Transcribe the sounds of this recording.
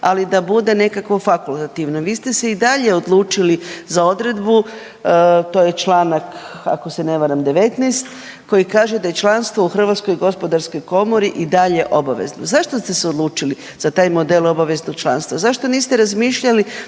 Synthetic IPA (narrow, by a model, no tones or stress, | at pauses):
alid̪abud̪e̞ne̞kakʋo̞fakulˠt̪at̪iʋno̞ʋiːst̪e̞se̞id̪aʎe̞od̪lˠuːt͡ʃilizao̞d̪ɾe̞d̪bu | t̪o̞ːje̞t͡ʃlˠaːnak | a̰ko̞se̞ne̞ʋaɾamd̪e̞ʋet̪nɛjst̪ | ko̞jikaːʒed̪aje̞t͡ʃlˠanst̪ʋo̞uxr̩ʋat̪sko̞jɡo̞spo̞d̪aɾsko̞jko̞mo̞ɾiʔid̪aʎe̞ʔo̞baʋḛzno̰zaʃt̪ost̪e̞seod̪lˠuːt͡ʃili | z̥at̪aːjmo̞d̪elo̞baʋe̞zno̞ɡ̥̚t͡ʃlˠa̰ːnst̪ʋazaʃt̪o̞niːst̪eɾazmiːʃʎali